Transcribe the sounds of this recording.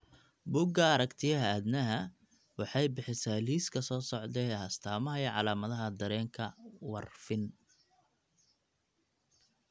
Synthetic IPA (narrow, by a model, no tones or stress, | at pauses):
bʊɡɐːɾɐkt̪ʰɪjɐɦɐæd̪nɐɦɐ | wɑħɑjbɪħɪsaːliːskʰɐsɔːsɔʕd̪ɛːhɐst̪ʰaːmɐɦɐjɛʕɑlaːmɐðɐɦɐd̪ɐɾɛːŋkʰɐwɑrfɪn